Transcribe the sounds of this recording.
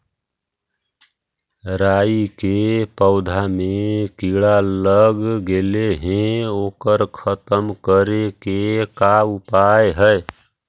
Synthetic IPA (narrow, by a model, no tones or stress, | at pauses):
ɾaikepəʊd̪ʱamekiɭaləɡɡeleɦẽokəɾkʰət̪əmkəɾekekaupaeɦəj